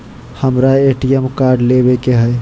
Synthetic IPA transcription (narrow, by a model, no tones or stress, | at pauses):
həmɾaeːʈijɛmkaːɾɖleːʋekeɦɛe